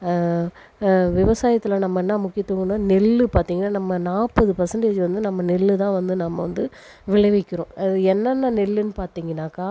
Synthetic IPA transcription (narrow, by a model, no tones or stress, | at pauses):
ʋɪʋɐsaːjɐt̪ːɪlɐnɐmːɐnːaːmʊkːɪjɐt̪ːɯŋɡɐnaːnɛlːɯpaːɾt̪iːŋɡɐnːaːnɐmːɐnaːpɐðɯpɐɾsɐɳɖeːd͡ʒʋɐnd̪ɯnɐmːɐnɛlːɯt̪ãːʋɐnd̪ɯnɐmːɐʋɐnd̪ɯ | ʋɪɭɐʋɛkːɪɾõːʔɐðɯɛnːɐnːaːnɛlːɯnɯpaːɾt̪iːŋɡɐnːaːkaː